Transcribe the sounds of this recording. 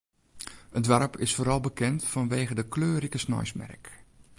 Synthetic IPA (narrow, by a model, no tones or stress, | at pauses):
ətdʋarpʰɪsfoːɾɑlˠbəkɛntfɔnʋeːɣədəkløːɾikəsnɔ̰jsmɛ̰rk